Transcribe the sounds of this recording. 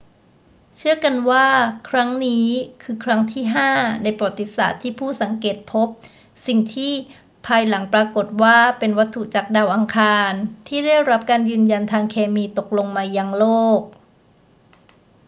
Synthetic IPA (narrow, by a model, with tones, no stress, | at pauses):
t͡ɕʰɯ˥˩ɐka˧nwaː˥˩kʰɾa˦˥ŋniː˦˥kʰɯː˧kʰɾa˦˥ŋt̪ʰiː˥˩ɦaː˥˩na˧jpɔ˨˩t̪ːi˨˦˩sa̰ː˨˩t̪ʰːiː˥˩pʰuː˥˩sa˩˦ŋkeː˨˩t̪̚pʰo˦˥p̚ | si˨˩ŋt̪ʰiː˥˩ | pʰaː˧jla˩˦ŋpɾaː˧ko˨˩t̪̚waː˥˩pe˧nwa˦˥t̪ʰːu˨˩t͡ɕaː˨˩k̚daː˧wʔa˧ŋkʰaː˧nt̪ʰiː˥˩da˥˩jɾa˦˥p̚kaː˧njɯː˧nja˧nt̪ʰaː˧ŋkʰeː˧miː˧t̪o˨˩k̚lo˧ŋmaː˧ja˧ŋloː˥˩k̚